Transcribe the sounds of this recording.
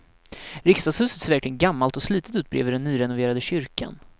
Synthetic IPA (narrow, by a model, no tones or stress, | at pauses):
ɾɪkst̪ɑshʉ̟ːsət̪sɛvæɾklɪɡənɡamːalt̪ɔsliːt̪ət̪ʉ̟ːt̪̚bɾḛːvəɖɛnːyːɾɛnʊveːɾad̪əɕʏɾka̰n